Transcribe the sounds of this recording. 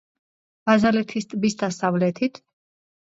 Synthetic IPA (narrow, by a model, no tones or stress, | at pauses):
b̥azalɛt̪ʰist̪ʼbisd̪asavlɛt̪ʰit̪ʰ